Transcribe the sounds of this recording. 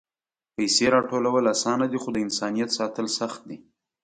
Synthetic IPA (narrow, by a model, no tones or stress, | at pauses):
pəjseɾɑʈolawəlasɑnad̪ixod̪əɪnsɑnijat̪sɑt̪əlsaxt̪̚d̪i